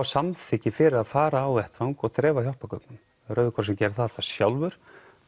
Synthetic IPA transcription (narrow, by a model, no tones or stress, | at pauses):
awsamθʰɪcːɪfɪɾɪaðfaːɾaːwɛht̪vaŋkɔɣt̪ʰɾɛːvaçjɔhpakœknʏm | ɾœːɥðʏkʰɔɾsɛmcɛːɾ̥θaðt̪ḁsjawlvʏɾ̥